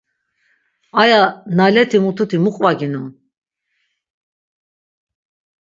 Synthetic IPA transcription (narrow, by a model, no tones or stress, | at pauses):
ajanalɛt̪ʰimut̪ʰut̪ʰimuqʼvaɡinun